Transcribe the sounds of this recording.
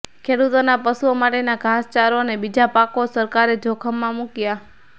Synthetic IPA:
kʰeɽut̪onapəsuomaʈenaɡʱast͡ʃaɾonebid͡ʒapakosəɾkaɾed͡ʒʱokʰəmːãmũkja

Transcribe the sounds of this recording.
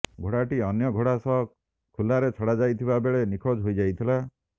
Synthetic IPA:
ɡʱoɽaʈiɔnjɔɡʱoɽasɔɦɔ | kʰulaɾet͡ʃʰɔɽad͡ʒajt̪ʰibabeɭenikʰod͡ʒɦojd͡ʒajt̪ʰila

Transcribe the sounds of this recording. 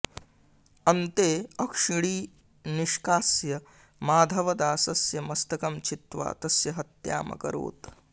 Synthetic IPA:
ɐnt̪eːɐkʂiɽiː | niʃkaːsjɐ | maːd̪ʱɐʋɐd̪aːsɐsjɐmɐst̪ɐkɐmt͡ʃʰit̪ʋa̰ːt̪ɐsjɐɦɐt̪ja̰ːmɐ̰kɐ̰ɾo̰ːt̪

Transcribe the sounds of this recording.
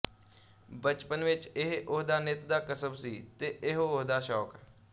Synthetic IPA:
bət͡ʃpənʋɪt͡ʃɪɦʔʊɦd̪aːnɪt̪d̪aːkəsəbsiːt̪eːɪɦoʊɦd̪aːʃɔːk

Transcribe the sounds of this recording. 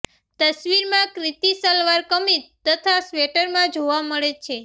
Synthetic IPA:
t̪əsʋiɾmãkɾit̪isəlʋaɾkəmit̪t̪ːət̪ʰasʋeʈəɾmãd͡ʒoʋaməɭet͡ʃʰe

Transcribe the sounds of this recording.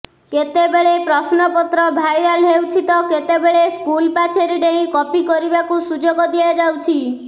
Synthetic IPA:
ket̪ebeɭepɾɔsnɔpɔt̪ɾɔbʱajɾalɦewt͡ʃʰit̪ɔket̪ebeɭeskulpat͡ʃʰeɾiɖeĩkɔpikɔɾibakusud͡ʒoɡɔd̪iad͡ʒawt͡ʃʰi

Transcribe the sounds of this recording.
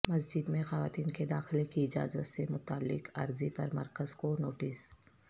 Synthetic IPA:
mɐsd͡ʒɪd̪mẽxɐʋaːt̪iːnked̪aːxɪlekiɪd͡ʒa̰ːzət̪semʊt̪aːlːɪ̰qɐ̰ɾzipɐɾmɐɾkəzkonoːʈɪs

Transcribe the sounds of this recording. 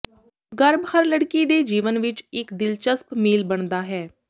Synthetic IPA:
ɡəɾbhəɾləɽkiːd̪eːd͡ʒiːʋənʋɪt͡ʃɪkd̪ɪlt͡ʃəspmiːlbəɳd̪aːɦɛː

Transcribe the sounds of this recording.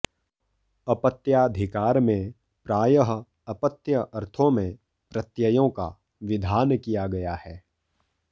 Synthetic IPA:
ɐpət̪jaɐd̪ʱɪkaːɾmẽ | pɾaːjəɦ | ɐpət̪jəʔɐɾt̪ʰõmẽ | pɾɐt̪jəjõka̰ | ʋɪd̪ʱaːnkijaɡɐjahɛː

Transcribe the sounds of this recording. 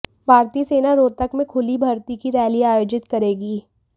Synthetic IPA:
bʱaːɾt̪iseːnaɾoːt̪əkmẽkʰʊlibʱɐɾt̪ikiɾɛːliaːjoːd͡ʒɪt̪kɐɾeːɡiː

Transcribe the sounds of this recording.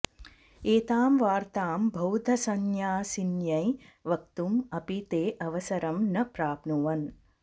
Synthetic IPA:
eːt̪aːmʋaːɾt̪aːmbʱɐwd̪ʱɐsɐnjaːsinjɐjʋɐk̚t̪umɐpit̪eːʔɐʋɐsɐɾɐmnɐpɾaːpnuʋɐn

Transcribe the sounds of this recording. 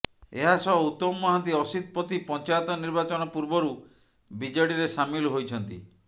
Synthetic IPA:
eɦasɔut̪ːɔmːɔɦãnt̪iɔsid̪̚pɔt̪ipɔnt͡ʃajɔt̪ɔniɾbat͡ʃɔnɔpuɾbɔɾu | bid͡ʒɔɽiɾesamilɔɦojt͡ʃʰɔnt̪ḭ

